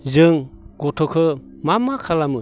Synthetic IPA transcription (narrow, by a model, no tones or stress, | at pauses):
zɯŋɡ̥ɔtʰɔkʰɯ | mamakʰalamɯ